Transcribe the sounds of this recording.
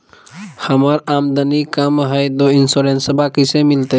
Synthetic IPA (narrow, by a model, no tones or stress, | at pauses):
həməɾaːmd̪ənikəmɦəjd̪oɪnsoɾeːnsbakisemɪlt̪e